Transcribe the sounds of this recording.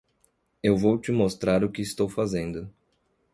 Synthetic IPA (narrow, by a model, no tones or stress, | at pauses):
ewvowt͡ʃɪmost̪ɾaɾʊkɪɪst̪owfazẽnd̪ʊ